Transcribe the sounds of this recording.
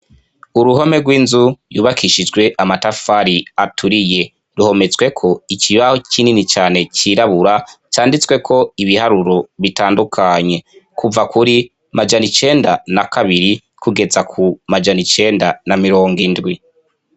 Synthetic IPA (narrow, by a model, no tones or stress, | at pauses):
uɾuɦo̞me̞ɡwiːnzujuːβakʰiʃid͡ʒɡwe̞ʔamatafaɾiatʰuɾije̞ | ɾuho̞me̞t͡sɡwe̞kʰo̞icʰiβahocininit͡ʃaːne̞t͡ʃiːɾaβuɾat͡ʃaːndit͡swe̞kʰo̞iβihaɾuɾo̞βitaːndukʰaɲe̞kʰuvakuɾi | mad͡ʒanit͡ʃe̞ːndanakaβiɾi | kuɡe̞zakʰumad͡ʒanit͡ʃe̞ːndanamiɾo̞ːŋɡindɡwi